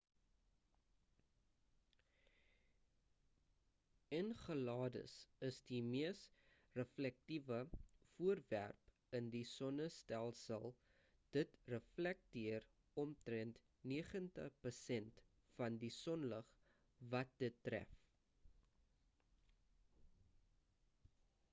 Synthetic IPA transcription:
ənχəlɑːdə̰səsdimiəs | rəflɛk̚tivəfuərvæ̰rp | əndisɔnəstælˠsəlˠ | d̥ətrəflɛk̚tiər | ɔmtrɛnt | niəχəntəχpərsɛnt | fɐndisɔnləχ | vɐt̚dətːræ̰f

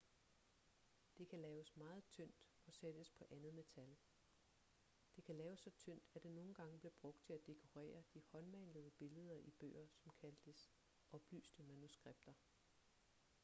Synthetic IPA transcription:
d̥e̝kʰælɛːʊsmɑ̈ːð̞̩ˠt͡sʰøn̰d̥ | ɒ̽sed̥əspʰɒ̽ʔænð̞̩ˠme̝t͡sʰæl | d̥e̝kʰælɛːʊəsːɒ̽t͡sʰøn̰d̥æd̥e̝no̝ːn̩ɡ̥ɑ̈ŋəb̥le̝b̥ʁɔ̽ɡ̥̚d̥̚t͡sʰe̝læd̥e̝kʰo̝ʁɛ̰ːɐd̥ihɒ̽nmænləðˠəb̥e̝ləð̞ˠɐʔib̥ø̰ːɐsɒ̽mkʰæld̥əs | ʔɒ̽b̥ly̰ːsd̥əmænusɡ̥ʁeb̥̚d̥ɐ

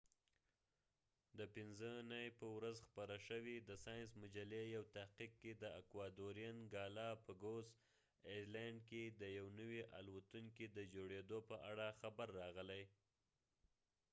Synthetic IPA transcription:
d̪əpɪnzənajpəwɾazxpaɾəʃəwid̪əsɑjnsmʊd͡ʒalejawt̪ahqiq̚ked̪əakwɑd̪oɾjanɡɑlɑpəɡoz | eɾlaɳɖked̪əjawnəwiʔa̰lwat̪uŋkid̪əd͡ʒoɽed̪opəʔaɽaxabaɾːɑɣəlaj

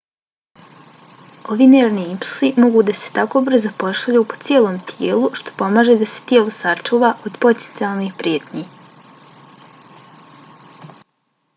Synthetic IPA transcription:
o̞ʋiːneːɾniimplˠu̥simo̞ɡuːd̪ase̞̥t̪ako̞br̩zo̞po̞ʃaʎupo̞̥t̪sjeːlˠomt̪ʰjeːluʃt̪o̞̥po̞maːʒe̞d̪ase̥t̪jeːlo̞sat͡ʃuːʋaʔod̪po̞t̪ent̪ialˠnixpɾjeːt̪ɲi

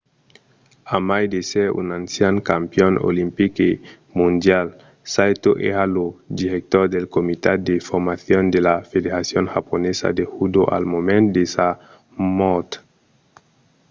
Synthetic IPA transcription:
amajd̪eseɾṵnansjaŋkampjono̰limpike | mund̪jal | sajt̪oʔealod̪iɾek̚t̪oɾd̪elkomit̪ad̪efoɾmaθjond̪elafedeɾasjoŋxaponesa̰d̪exud̪oʔa̰lmomẽnd̪esa | mot̪

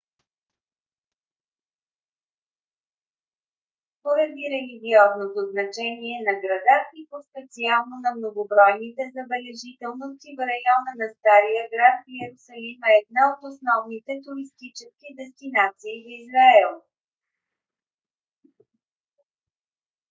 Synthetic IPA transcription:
poɾɐd̪iɾɛliɡʲiɔznot̪oznɐt͡ʃɛniɛnɐɡɾɐd̪at̪ipospɛt̪sialˠnonɐmnoɡobɾɔjnit̪ɛzɐbɛlɛʒit̪ɛlˠnost̪ivəɾɐjɔnənɐst̪aɾijəɡɾat̪iɛɾʊsɐlimɛːd̪̚naot̪osnɔvnit̪ɛt̪uɾist̪it͡ʃɛskid̪ɛst̪inat̪siːvizɾɐɛlˠ

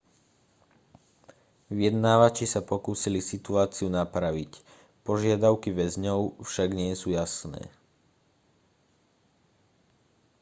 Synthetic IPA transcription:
ʋijɛd̪naːʋat͡ʃisapɔkuːsilisit̪uaːt͡siunapɾaʋic | pɔʒɪad̪aʊkiʋɛzɲɔʊfʃaɡɲɪɛsuːjasnɛ̰ː

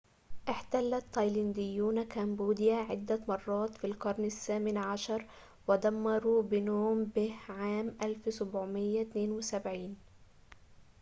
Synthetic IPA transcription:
ʔɪħt̪alːat̪ːɑjland̪ɪjːuːnakæmbuːd̪ɪjaʕɪ̰d̪ːamɑrˤːɑːt̪filqɑɾˤnasːaːmɪnʕaʃɑɾˤ | wɪd̪amːɑɾˤubɪnoːmbɪhʕaːmʔalfsʊbʕʊmɪjːat̪neːnwɪsabʕiːn

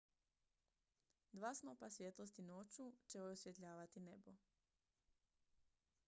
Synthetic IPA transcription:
d̪ʋaːsnopasʋjet̪lo̞st̪inot͡ʃut͡ʃeojosʋje̞t̪ʎaːʋat̪inebo

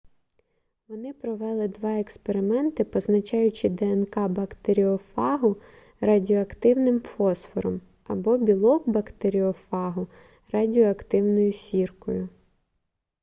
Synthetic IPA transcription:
ʋɔnɪpɾɔʋɛlˠɪd̪ʋɑekspeɾɪmɛnt̪ɪpɔznɐt͡ʃɑjʊt͡ʃɪd̪ɛɛnkɑbɐkt̪eɾʲiɔfɑɦʊ | rɐdʲiɔɐkt̪ɪwnɪmfɔsfɔɾɔm | ɐbɔbʲilˠɔkbɐkt̪eɾʲiɔfɑɦʊ | rɐdʲiɔɐkt̪ɪwnɔjʊsʲirkɔjʊ

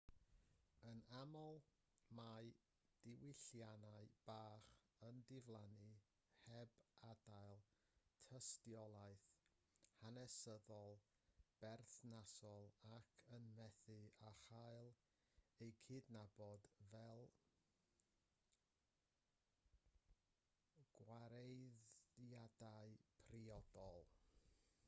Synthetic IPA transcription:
ənamɔlˠ | maɨ | d̥ɪwɪɬjanaɨb̥aːχ | əndɪvlˠanɨ | hɛbadaɨlˠ | tʰəstjɔlˠaɨθ | hanɛsəðɔlˠ | b̥ɛrθnasɔlˠakʰənmɛθɨaχaɨlˠ | ejkʰɨːdnabɔdvɛlˠ | ɡ̥waɾejðjadaɨpʰriɔd̥ɔlˠ

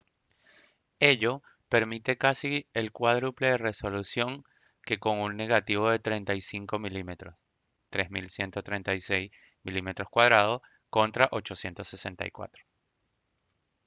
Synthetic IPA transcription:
e̞ʎo̞ | pe̞ɾmit̪e̞kasielkwaðɾupleðere̞so̞lusjo̞ŋ | ke̞ko̞ŋunːe̞ɣat̪iβo̞ðe̞t̪ɾent̪ajsiŋko̞milimet̪ɾos | t̪ɾe̞zmilsje̞nt̪ot̪ɾe̞nt̪ajsejs | milime̞t̪ɾo̞skwað̞ɾað̞o̞ | ko̞nt̪ɾaʔot͡ʃo̞sje̞nt̪o̞sːese̞nt̪a̰jkwa̰t̪ɾo̥

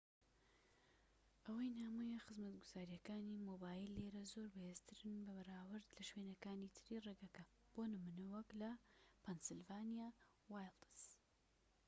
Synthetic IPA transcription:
ʔɐwɐjnaːmujɐxɨzmɐt̪ɡuz̥aːɾijɐkaːnimoːbaːjilːeːɾɐzoːɾbɐhezt̪ʰɨɾɨnbɐbɐɾaːwɨɾd̪lɐʃweːnɐkaːnit̪ʰɨɾiːreːɡɐkɐ | b̥onɨmunɐwɐklɐpʰɛnsɨlvaːnija | wajld̪ɨs

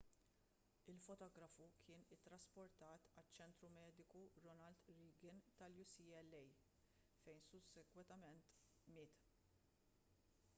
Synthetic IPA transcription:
ɪlfɔt̪ɔːɡɾɐfukʰɪːnɪt̪ːɾɐspɔɾt̪ɐːt̪ɐt͡ʃːɛnt̪ɾumɛːd̪ɪkuɾɔnɐlt̪ɾiːɡɪnt̪ɐljusiːɛlːɛj | fɛjnsʊsːɛɡwɛt̪ɐmɛnt̪ | mɪːt̪

